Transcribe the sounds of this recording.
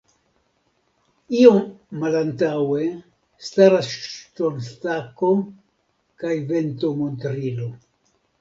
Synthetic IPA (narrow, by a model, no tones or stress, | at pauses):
io̞mːalantawe̞ | staɾasʃtonstako̞ | kajve̞nto̞montɾilo̞